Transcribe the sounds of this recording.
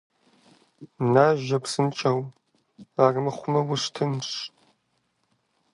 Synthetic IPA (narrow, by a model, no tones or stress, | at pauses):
naːʒɐpsɨnt͡ʃʼɐw | aːrɨmɨχʷʊmɐwʊɕtʰɨnɕ